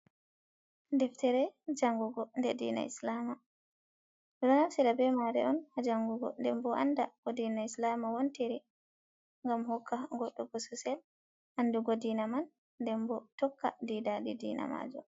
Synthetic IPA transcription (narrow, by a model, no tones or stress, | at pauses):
dɛftɛɾɛd͡ʒaŋɡuɡɔndɛdḭna̰ḭslama | ɾɔnafsilabɛmaɾɛ̰ʔɔnhad͡ʒaŋɡuɡɔ̰ndɛmbɔandaɡɔdinaislamawontiɾi | ŋɡamhɔkʰːaɡɔɗːɔɡɔsusɛl | ʔanːduɡɔdinamanː | dɛmbɔtɔkːa̰didadidḭna̰ma̰d͡ʒɔ